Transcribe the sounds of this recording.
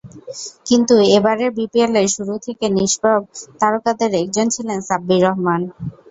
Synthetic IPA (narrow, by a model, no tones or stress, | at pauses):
kint̪uebaɾeɾbipieleɾʃuɾut̪ʰekeniʃbab̚t̪aɾokad̪eɾɛk̚d͡ʑont͡ɕʰilensabːiɾɔɦman